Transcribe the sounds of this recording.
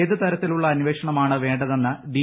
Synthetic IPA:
ðɨt̪ɐɾɐt̪ːiluɭːɐːnʋe̞ːʂɐɳɐmaːɳɨʋe̞ːɳɖɐðe̞nːɨd̪i

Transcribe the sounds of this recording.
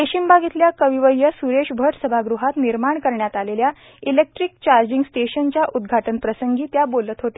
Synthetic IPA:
d̪eɕimbʱaɡit̪ljakəʋiʋəjəsuɾeɕbʱəʈsəbʱaɡɾuɦat̪niɾmaɳkəɾɳjat̪alelja | ilek̚ʈɾik̚t͡ɕaɾd͡ʑiŋɡsʈeɕənt͡ɕjaʔud̪ɡʱaʈənpɾəsəŋɡiːt̪jabolət̪ɦot̪e̥

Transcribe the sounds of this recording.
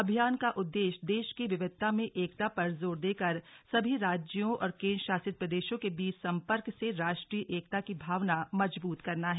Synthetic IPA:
ɐbʱijaːnkaʔʊd̪ːeːʃd̪eːʃkiʋɪʋɪd̪̚t̪ʰːamẽʔeːk̚t̪apɐɾzoːɾd̪eːkɐɾsɐbʱiɾaːd͡ʒjõʔɔ̰ːɾkẽːnʃaːsɪt̪̚pɾɐd̪eːʃõkebiːt͡ʃsɐ̃mpəɾkseɾaːʃʈɾiːʔeːkt̪akibʱaːʋnamɐd͡ʒbuːt̪kɐɾnaɦɛː

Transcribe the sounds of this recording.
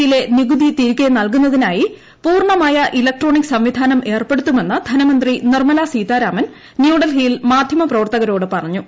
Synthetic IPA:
jile̞niɡud̪it̪iːɾkːenɐlkunːɐðinaːji | puːrɳɐmaːjɐʔilɐk̚ʈro̞ːɳiksɐmʋid̪ʱaːnɐmʔe̞ːrpe̞ɽut̪ːume̞nːɨd̪ʱɐnɐmɐnd̪rinirmɐlasiːt̪ːaːɾaːmɐn | njuːɽɐlɦiːlmaːd̪ʱjɐmɐprɐʋɐrt̪ɐɣɐɾo̞ːɽɨpɐrɐɲːu

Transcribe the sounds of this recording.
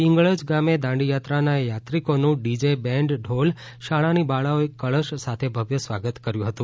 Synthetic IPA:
iŋɡɭəd͡ʒɡamed̪ãɳɖijat̪ɾanajat̪ɾikonũɖid͡ʒebɛɳɖɖʱol | ʃaɭanibaɭaoekəɭəʃsat̪ʰebʱəʋjəsʋaɡət̪kəɾjũɦət̪ũ

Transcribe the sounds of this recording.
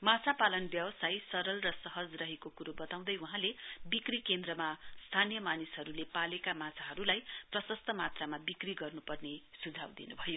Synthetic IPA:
mat͡sʰapalʌnbjʌwsajsʌɾʌlrʌsʌɦʌd͡zrʌɦekokuɾubʌt̪aw̃d̪ʌjwuɦãlebikrikend̪rʌmast̪ʰanijʌmanisɦʌɾulepalekamat͡sʰaɦʌɾulajprʌsʌst̪ʰʌmat̪ramabikriɡʌrnupʌrnesud͡zʱa̰wd̪ḭnubʱʌjo

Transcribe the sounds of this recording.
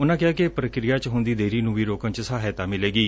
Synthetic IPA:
ʊnãːkɪjaːkepɾəkɾijaːt͡ʃɦʊnd̪iːd̪eːɾiːnũːʋiːɾoːkə̃nt͡ʃsaːɦeːt̪aːmɪleːɡiː

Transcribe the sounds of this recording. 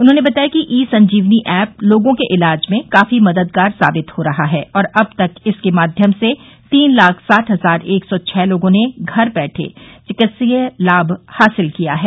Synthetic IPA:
ʊnɦõːnebɐt̪aːjakiʔiːsɐ̃ɲd͡ʒiːʋniʔɛːp̚loːɡõkeʔɪlaːd͡ʒmẽkaːfimɐd̪əd̪kaːɾsa̰ːbɪt̪hoɾɐɦaɦɛːɔːɾɐb̚t̪ɐkɪskemaːd̪ʱjəmse | t̪iːnlaːkʰsaːʈʰɦɐzaːɾeːksɔt͡ʃʰɛːloːɡõneɡʱɐɾbɛːʈʰḛt͡ʃɪkɪt̪silaːbhaːsɪlkijaɦɛː

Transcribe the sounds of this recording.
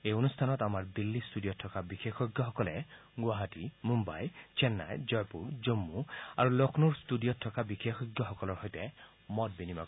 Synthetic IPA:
eonustʰanɔt̪amaɹd̪ilːistudijɔtʰːɔkabixʰexɔɡjɔɦɔkɔlɛ | ɡwaɦatimumba̰jt͡ʃenːa̰jd͡ʒɔjpuɹd͡ʒomːua̰ɹulokʰnuɹstudijɔtʰːɔkabixexɔɡjɔɦɔkɔlɔɹɦɔjtɛ | mɔt̚binima̰k

